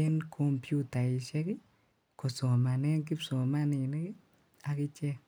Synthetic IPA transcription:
ɛ˦nkʰo˦mpju˦ta˨ɪ˨ʃɛ˦kɪ˦ | kɔ˨sɔ˨ma˨nɛ˦ŋk̬ɪ˦psɔ˨ma˦nɪ˨ne˦kɪ˦ | a˨kɪ˦t͡ʃɛ˦k

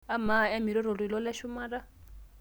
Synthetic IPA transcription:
a˦ma˦˨ɛ˦mi˨ɾɔ˦ɾɔ˨ɺwlɔ˦lɛ˦ʃu˦maː˦ɾa˦

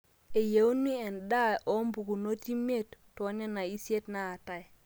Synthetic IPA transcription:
e˨je˨˦wni˦e˨nɗa˦o˦mbu˨ɡu˨no˦ti˦me˦˨tːo˨˦ɲe˦na˨i˦si˦e˦tnaː˦˨ta˦j

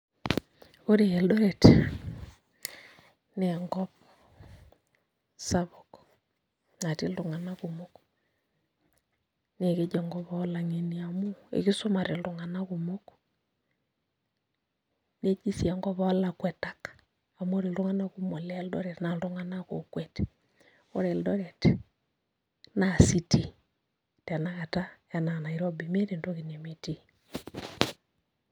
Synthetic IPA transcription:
o˦ɾe˨ɛ˨ldɔ˦ɾe˨t | ne˨ŋɡɔ˦p̚ | sa˦βo˨k | na˨ti˦ltu˨ŋa˨na˦ku˨mo˦k | ne˨ke˦d͡ʒe˨ŋɡɔ˦pa˦la˨ŋe˨ni˨a˨mu˦ḛ˨ki˦so˦ma˨ɾe˨ldu˨ŋa˨na˦ku˨mo˦k | ne˦d͡ʒi˦si˨a˨ŋɡɔ˦βao˦lakwɛ˨takḁ | a˨m˦o˦ɾe˨lɾo˦ŋa˦naɣu˦mo˨leldo˦ɾetna˨ldo˦ŋa˦nako̰˨kwete | o˦ɾe˨ldo˦ɾe˨te | na˨si˦ti˦ | ta˨naɣa˨ta˦ja˨na˨na˨iɾo˦bi˨me˦ɾe˨ndo˦ɣi˨ne˨me˨ti˦

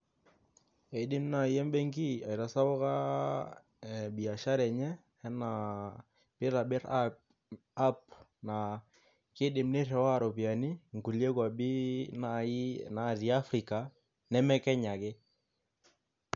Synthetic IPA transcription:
ɛ˨dɪ˦mna˦˨jɛ˦mbɛ˦ŋɡi˦a˨i˨ɾa˨sa˦bɔ˦ka˦˨ | bi˨a˨ʃa˦ɾɛ˨ɲɛː˦ | na˨ | pɪ˦ɾa˨bɪ˦ɾ | a˦p̚na˨ | kɪ˦ɗɪ˨mne˦rɛ˨wa˦˨ɾɔ˨pi˨a˨ni˦ŋku˨lje˦kwa˨bi˦na˨na˨ti˨a˦fɾi˨ka˨ | nɛ˦mɛ˦kɛ˦ɲa˨kɪ˦

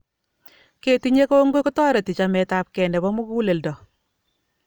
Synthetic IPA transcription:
ke˨tu˦ɲe˦ko˦ŋɡo˦kɔ˦tɔ˦ɾe˨ti˨t͡ʃa˨mɛ˨ta˦p̚kɛ˨ndɛ˨bɔ˦mʊ˦ɡu˦le˨ldɔ˨

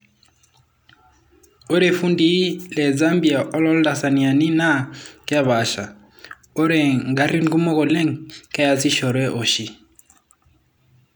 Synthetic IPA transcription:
o˦ɾe˨fu˦ndi˦lɛ˨za˦mbi˨a˨ʔɔ˦lɔ˦lda˨sa˨ni˨a˨ni˦na˦kja˦βa˨ʃa̰˨ | ɔ˦ɾɛ˨ŋɡa˨ɾi˦ŋ˦ɡu˦mɔ˦ɣɔ˨lɛ˦ŋkɛ˦ja˨si˦ʃɔ˨ɾwɛ˦ʔɔ˨ʃi˦

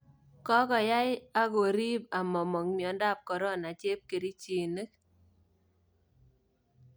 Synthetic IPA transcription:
kɔ˦kɔ˨ja˦jɪ˦a˦ɡo˨ɾi˦ba˨mɔ˨mɔ˨ŋmi˨ɔ˨nda˦˨p̚kɔ˨ɾɔ˦˨na˨t͡ʃe˦p̚ke˨ɾi˦t͡ʃi˨ne˦k

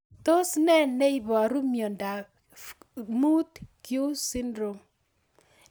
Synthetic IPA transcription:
t̪o˦snɛ˦nɛ˦iβa˨ɾu˦mjo˨nda˨ | mu˦tkju˦si˦ndɾo˨m

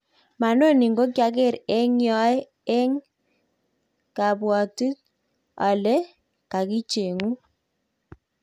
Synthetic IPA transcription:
ma˨no˦ni˨ŋɡo˦kja˦k̬e˦˨ɾɛ˦ŋjɔ˦ɛ˦ | ɛ˦ŋ | ka˨pwɔ˨tu˦t̚ | a˨lɛ˦ | ka˨ki˦t͡ʃe˨ŋu˦

